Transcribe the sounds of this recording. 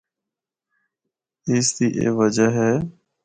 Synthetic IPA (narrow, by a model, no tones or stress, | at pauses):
ɪːsd̪iːʔḛːʋəd͡ʒəɦɛː